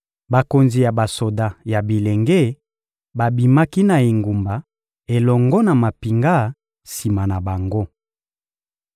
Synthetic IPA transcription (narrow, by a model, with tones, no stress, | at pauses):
ba˨ko˨nzi˨ja˨ba˨so˨da˦ja˨bi˨le˨ŋɡe˦ | ba˨bi˨ma˦ki˦na˨e˨ŋɡu˨mba˨ | e˨lɔ˨ŋɡɔ˦na˨ma˨pi˨ŋɡa˦ | si˨ma˨na˨ba˨ŋɡo˦